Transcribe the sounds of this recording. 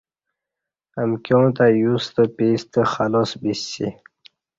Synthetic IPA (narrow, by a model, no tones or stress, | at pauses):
əmkʲjõt̪ajust̪əpist̪əxalosbisḭ